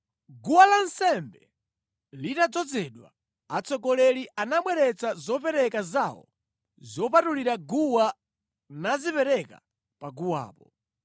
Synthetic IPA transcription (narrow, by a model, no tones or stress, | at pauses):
ɡuwalansɛmbɛ | litad͡zɔd͡zɛɗwa̰ | at͡sɔkɔlɛliʔanamwɛɾɛt͡sazɔpɛɾɛkazawɔ̰ | zɔp̬atuliɾaɡuwa | nazipɛɾɛka̰ | paɡuwa̰ːpɔ